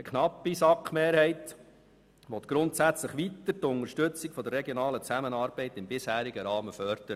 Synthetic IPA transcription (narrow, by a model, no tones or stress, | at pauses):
əkχnɑpːisɑkχmeːɾhɛɪt̪ | ʋɔt̪ɡ̥ɾʊnt̪sæt͡sləχʋit̪əɾt̪ʊnəɾʃtɵt͡sɪkfɔd̪ərːɛɡjonɑːlət͡sæmənɑːɾb̥ɛɪt̪ɪmbɪshæːɾiɡəɾɑːməfœɾd̪̥əɾə